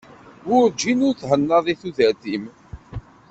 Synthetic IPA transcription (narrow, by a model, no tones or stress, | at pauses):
ʊɾd͡ʒːinʊɾθhənːɑðˤiθuðət̪im